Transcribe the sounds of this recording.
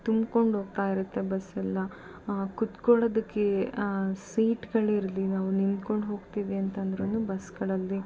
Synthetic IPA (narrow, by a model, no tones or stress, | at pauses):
t̪umko̞ɳɖɦo̞ːɡ̚t̪aːjiɾut̪ːe̞bɐsɛlːɐ | kut̪koɭoːd̪ɐkːe | siːʈɡɐɭiɾɐlinaːʋunind̪ko̞ɳɖɦo̞ːɡt̪iːʋiɐnt̪ɐnd̪ɾɐnubɐsɡɐɭɐlːi